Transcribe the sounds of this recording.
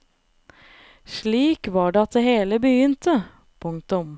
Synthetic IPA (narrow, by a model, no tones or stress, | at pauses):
ʂɭiːkʋɑːɖeːɑt̪̚d̪eːheːləbəjʏnt̪ə | pʰʊŋt̪ʊm